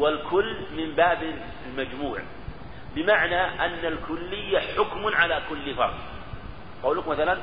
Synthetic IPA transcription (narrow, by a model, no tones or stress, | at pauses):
walkʰʊlːmɪmbaːbɪ | ɪlmad͡ʒmuːʕ | bɪmaʕnaʔanːalkʊlːɪjːaħʊkmʕalaːkʊlːɪfɑ̰ɾˤt | qɑwlʊkmaθalan